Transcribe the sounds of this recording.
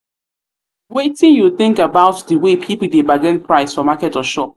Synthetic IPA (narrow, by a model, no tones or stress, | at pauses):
wetĩnjulθɪ̃ŋkabaʊtdəwepʰipl̩debaɡɛ̃npʰɹaɪsfɔmakɛtɔʃɔp̚